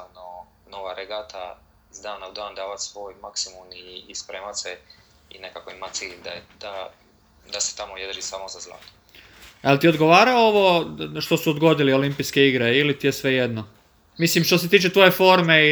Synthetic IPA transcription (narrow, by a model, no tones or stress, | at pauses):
ano | noʋaɾeɡat̪ʰa̰ | zd̪aːnaud̪aːnd̪aːʋat̪sʋojmaksimuniːspɾeːmat̪se | ḭne̞kako̞imat̪siːʎd̪aed̪̥a | d̪ase̥t̪amojed̪ɾrʒisaːmozazlˠa̰ːt̪o̥ | alt̪iod̪ɡo̞ʋaːɾaooʋo̞ʃt̪o̞suod̪ɡo̞d̪iliolimpijske̞iɡɾeilit̪ijesʋe̞je̞d̪no | mislimʃt̪ose̞t̪iːt͡ʃe̞t̪ʋo̞je̞fo̞ɾme̞